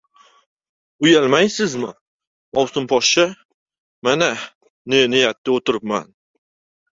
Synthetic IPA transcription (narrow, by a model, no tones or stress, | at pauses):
ʊjalmajsɪzmɪ | ɒwsʊmpʰɒʃt͡ʃa | mana | nenɪjat̪ːaot̪ʰɪɾɪpma̰n